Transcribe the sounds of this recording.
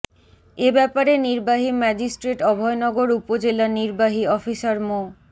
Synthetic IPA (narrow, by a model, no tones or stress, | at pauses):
ebɛpaɾeniɾbaɦimɛd͡ʑisʈɾeʈɔbʱɔenɔɡoɾupod͡ʑelaniɾbaɦiɔfisaɾmo